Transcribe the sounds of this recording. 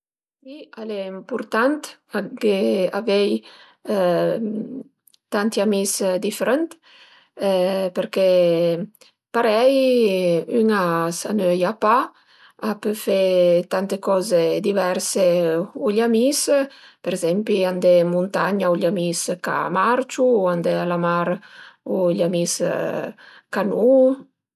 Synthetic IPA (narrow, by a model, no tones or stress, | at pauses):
kialɛimpuɾt̪ant̪aɡeavɛj | t̪ant̪iamisd̪ifeɾɛnt̪ | pəɾke | paɾɛj | yŋasanøjapa | apəfet̪ant̪ekɔzed̪ivɛɾseuʎamispeɾezɛmpliand̪emunt̪aɲauʎamiska̰maɾt͡ʃuand̪ealamaɾuʎamis | kanu